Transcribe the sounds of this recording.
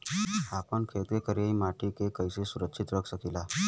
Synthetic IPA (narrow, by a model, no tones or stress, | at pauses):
apəɳkʰeɭt̪kekəɾiimaʈʰikekəjsesuɾəkʂʰit̪ɾəɡsəkila